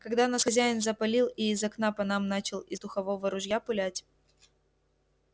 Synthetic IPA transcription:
kɐɡd̪anasxɐzʲæjɪnzəpɐlʲilˠiːzɐknapɐnamnat͡ɕɪlˠɪ̰zd̪ʊxɐvovəɾʊʐjapɨlʲætʲ

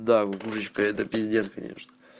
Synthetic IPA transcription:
d̪akuʐɨt͡ɕkəɛt̪əpʲɪzʲdʲenkɐ̰nʲḛʂnə̥

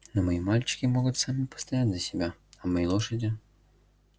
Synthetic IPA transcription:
nomɐimalʲt͡ɕɪ̥kʲɪmoɡʊt̪samʲɪpə̥st̪ɐjad̪ʲzʲəsʲɪbʲaɐmɐjejlˠoʂədʲɪ

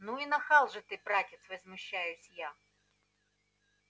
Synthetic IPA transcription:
nuinɐxalˠʐɨt̪ɨpɾatʲɪt̪svɐzmʊɕːajʊsʲja

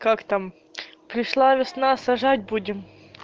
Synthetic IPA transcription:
kakt̪am | pɾʲɪʂlˠavʲɪsnasɐʐat̚ʲbudʲɪm

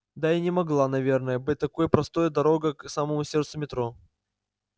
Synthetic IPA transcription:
d̪aɪnʲɪmɐɡlˠanɐvʲernəjəbɨt̚ʲt̪ːɐkojəpɾɐst̪o̞jəd̪ɐɾo̞ɡəksaməmʊsʲert̪sʊmʲɪt̪ɾo

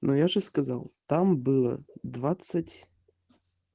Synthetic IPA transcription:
nʔojaʐɨskɐza̰lˠt̪ambɨlˠə̰d̪vat̪sɨtʲ

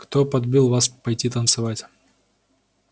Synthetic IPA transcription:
kt̪opɐd̪bʲilˠvaspɐjtʲit̪ənt̪sɨvatʲ

